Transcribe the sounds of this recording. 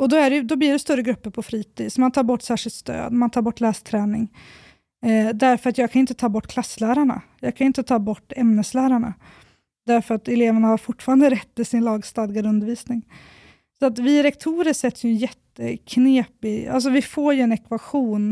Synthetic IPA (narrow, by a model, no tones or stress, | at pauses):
ɔd̪ɔæɖɛjd̪ɔblɪːɖɛst̪œɾːəɡɾɵpːəɾpʰɔfɾiːt̪ʰiːd̪sɔmant̪ʰɑːɾbɔʈːsæːʂɪlt̪st̪ø̰ːd̪mant̪ʰɑːɾbɔʈːlæːst̪ʰɾɛːnɪŋ | d̪æɾfœɾat̪jɑːɡkʰanɪnt̪ət̪ʰɑːbɔʈːkʰlasːlæːɾaɳa̰jɑːɡkʰanɪnt̪ət̪ʰɑːbɔʈːɛmnəslæːɾaɳa̰ | d̪æɾfœɾat̪ɛleːvəɳahaɾfʊʈːfɑːɾand̪əɾɛt̪ːɪlsɪnlɑːɡst̪ɑːd̪ɪɡad̪ɵnd̪əɾviːsnɪŋ | sɔat̪vɪɾɛkt̪ʰuːɾəʂɛt̪ːsjɵɛnjɛt̪ːəkʰneːpɪa̰ls̬ɔvɪfoːɾjɵɛnɛkvaɧuːn